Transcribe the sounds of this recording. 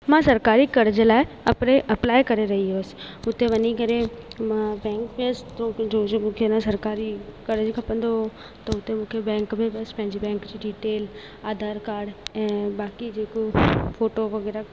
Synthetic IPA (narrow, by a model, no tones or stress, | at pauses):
mãsɐɾkaːɾikɐɾd͡ʑəlaːɪɐpɾeʔɐplaːekɐɾeɾɐɦioːsɪ̥ʊt̪eʋɐɲikɐɾemãbɛ̃ːŋkbesɪ̥t̪od͡ʑoːmũːkʰenãsɐɾkaːɾikɐɾd͡ʑikʰɐpə̃n̆d̪oɦo | t̪ɐʊt̪emũːkʰebɛ̃ːŋkmẽbɐsɪ̥pɐ̃ɦɪ̃ɲd͡ʑibɛ̃ːŋkd͡ʑiːɖiːʈeːl | aːd̪ʱaːɾkaːɾɖɛ̃ːbaːkid͡ʑeːkofoːʈoʋɐɣɛːɾa